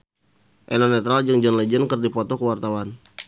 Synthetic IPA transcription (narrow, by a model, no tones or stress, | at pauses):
ʔɛnɔnɛt̪ɾald͡ʒəŋd͡ʒənlɛd͡ʒənkərdipɔt̪ɔkəwart̪awan